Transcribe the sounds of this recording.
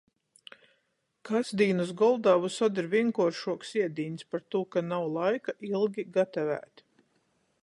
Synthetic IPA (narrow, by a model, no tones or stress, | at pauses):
kasd̪iːnus̬ɡɔlˠd̪aːvusɔd̪iɾviɛŋkuɔɾʃuɔksiɛd̪iːnʲspaɾt̪uɔkanawlˠajkaʔilˠɡʲiɡat̪avæ̰ːt̪ʲ